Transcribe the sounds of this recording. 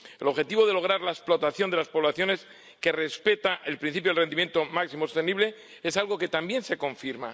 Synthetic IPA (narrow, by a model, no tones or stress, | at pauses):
e̞lo̞βxe̞t̪iβo̞ðe̞lo̞ɣ̞ɾaɾlaesplo̞t̪aθjo̞nd̪e̞laspo̞β̞laθjo̞ne̞s | ke̞re̞spe̞t̪aʔe̞lpɾin̟θipjoelrenimjent̪o̞maksimoso̥st̪eniβle̞ | e̞salɣo̞ke̞t̪ambje̞nse̞ko̞ɱfiɾma̰